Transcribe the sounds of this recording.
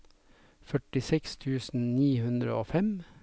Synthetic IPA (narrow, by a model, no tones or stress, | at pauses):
fœʈɪsɛkst̪ʰʉːsn̩niːhʉnd̪ɾə̰oːfɛm